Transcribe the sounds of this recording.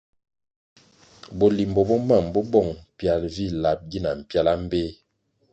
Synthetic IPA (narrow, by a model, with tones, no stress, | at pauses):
bɔ˨li˨m˨bɔ˨bɔ˦ma˦˨mbɔ˦bɔ˦˨ŋ˨pja˨lvi˦˨la˨p̚ɡi˦na˨m̩˨pja˦la˦m˦be˦